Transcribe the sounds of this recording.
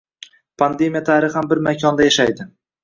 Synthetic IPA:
pʰand̪e̞mʲijat̪ʰaɾɪχhambɪɾmakʲʰɒnd̪ajaʃajd̪ɪ

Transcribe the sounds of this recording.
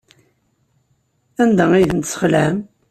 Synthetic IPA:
ænd̪æiθənt̪sə̥χlæm

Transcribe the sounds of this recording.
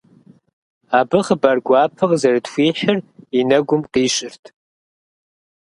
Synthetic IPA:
abɨχəbarɡʷaːpʰɨʁzɐrɨtxʷiːħɪrinɐɡʷʊmqiːʃʼɪrtʰ

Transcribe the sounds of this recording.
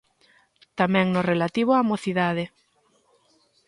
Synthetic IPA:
t̪amɛ̃ŋnʊrelat̪iβ̞ʊaːmoθiðaðɪ

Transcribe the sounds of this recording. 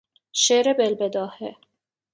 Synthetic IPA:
ʃeɾebelbed̪ɒːhe

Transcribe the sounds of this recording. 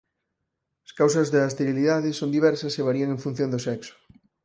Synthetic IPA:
askaws̬ɐzðast̪eɾiliðaðɪsond̪iβɛɾsɐseβaɾiɐŋeɱfũn̟θjõnd̪ʊsɛksʊ̥

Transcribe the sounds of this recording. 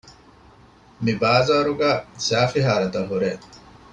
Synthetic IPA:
mibaːzaːɾuɡæːsaːfiɦaːɾɐt̪ɐlɦuɾeː

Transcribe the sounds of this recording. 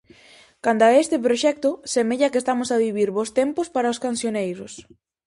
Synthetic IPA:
kand̪aest̪ɪp̬ɾoʃɛk̚t̪ʊsemeʎɐkest̪amʊsaβiβ̞iɾβost̪empʊspaɾaoskansjonejɾʊs

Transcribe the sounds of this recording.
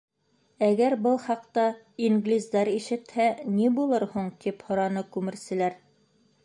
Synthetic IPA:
æɡæɾbɤlˠχɑqt̪ɑ | iŋɡlʲizd̪ɑɾiʃɘ̆t̪hænibulˠɤɾhuɴt̪iphŏɾɑnɤkʉmɘ̆ɾsɘ̆læɾ

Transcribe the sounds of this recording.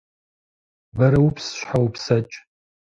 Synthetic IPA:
baɾaupʰsʃʷħawupʰsat͡ʃʼ

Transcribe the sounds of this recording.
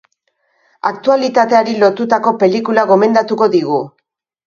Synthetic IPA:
ak̚t̪ualit̪at̪e̞aɾilo̞t̪ut̪ako̞pe̞likulaɣo̞me̞nd̪at̪uko̞ðiɣ̞u

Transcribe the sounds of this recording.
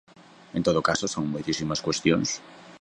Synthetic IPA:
ẽnt̪oðokasosoŋmojt̪isimɐskwest̪joŋs

